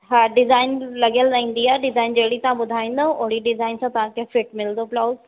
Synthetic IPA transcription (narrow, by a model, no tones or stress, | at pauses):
ɦaːɖɪzaːɪnlɐɡəlɾaɦĩːn̆d̪iaːɖɪzaːɪnd͡ʑɐɦɪɽit̪ɐãbʊd̪ʱaːĩːn̆d̪õʔʊɦɪɽ̃iɖɪzaːɪnsãt̪ɐʋ̤ãkẽfɪʈmɪld̪oplaːz